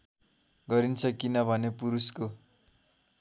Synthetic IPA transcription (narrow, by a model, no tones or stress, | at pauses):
ɡʌɾint͡sʰʌkinʌbʱʌnepuɾusko